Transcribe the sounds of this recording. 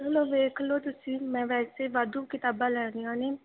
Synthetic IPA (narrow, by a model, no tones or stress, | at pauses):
loːʋeːkʰloːt̪ʊsĩːmɛ̃ːʋɛːseːʋad̪uːkɪt̪aːbãːlɛːniːãːneː